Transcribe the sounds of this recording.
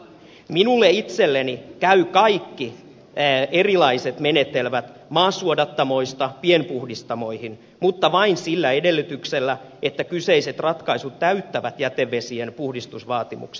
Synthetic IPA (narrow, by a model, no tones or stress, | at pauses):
minulːeit̪selːenikæykɑikːi | erilɑiset̪menet̪elʋæt̪ | mɑːsuodɑt̪ːɑmo̞ist̪ɑpienpuhdist̪ɑmo̞ihin | mut̪ːɑʋɑinsilːæedelːyt̪ykselːæ | et̪ːækyseiset̪rɑt̪kɑisut̪tæyt̪ːæʋæt̪jæt̪eʋːesienpuhdist̪usʋɑːt̪imṵkse̥